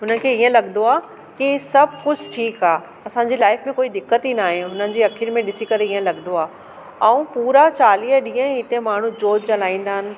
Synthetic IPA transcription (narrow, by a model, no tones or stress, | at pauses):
ɦʊnəkʰeːiːə̃lɐɠnd̪oaː | kisɐbʱkʊd͡ʑʱʈʰiːkaː | ɐsãːɲd͡ʑiːlaːɪfmẽkoːid̪ɪkːət̪inaːɦẽɦʊnənɪ̆d͡ʑiːɐkʰɪnmẽɗɪsikɐɾeiːə̃lɐɠnd̪oaː | ɐũpuːɾat͡ɕaːliːəɗĩːə̃ɪt̪emaːɳ̤ũd͡ʑoːd͡ʑt͡ɕɐlaːĩːnd̪aːɦɪnɪ̆